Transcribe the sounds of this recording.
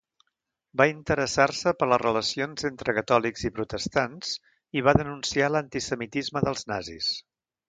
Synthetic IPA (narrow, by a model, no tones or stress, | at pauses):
baint̪əɾəsarsəpələrələsionzent̪ɾəkət̪ɔlikzipɾut̪əst̪anz | iβ̞aðənunsialənt̪isəmit̪izməðəlˠznazḭs